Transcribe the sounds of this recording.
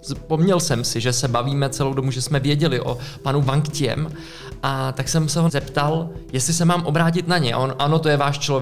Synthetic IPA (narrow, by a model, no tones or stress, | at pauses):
spo̞mɲɛlsɛmsɪʒɛsɛbaviːmɛt͡sɛlowdomuʒɛsmɛvjɛɟɛlɪʔo̞̰panuvaŋkcɪjɛ̰m | ʔat̪aksɛmsɛɦozɛpt̪aljɛst̪lɪsɛmaːmʔo̞bɾaːcɪt̪naɲɛ̰ʔonʔano̞t̪ojɛvaːʃt͡ʃlov